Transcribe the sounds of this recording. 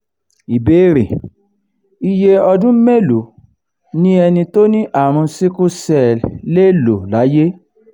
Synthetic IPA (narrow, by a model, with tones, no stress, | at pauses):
i˨be˨˦ɾḛ˨ | i˧je˧ɔ˧dũ˦me˦lu˨˦ | nĩ˦ɛ˧nĩ˧to˦nĩ˦ʔa˦˨ɾ̃ũ˧si˦ku˦sɛ˦˨le˦lo˨la˨˦je˦